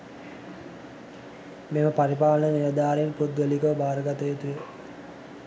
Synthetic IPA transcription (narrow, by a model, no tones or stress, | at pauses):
meməpaɾipaːlənəniʋəd̪aːɾeenpud̪ɡəlikəʋbaːɾəɡat̪əet̪ujə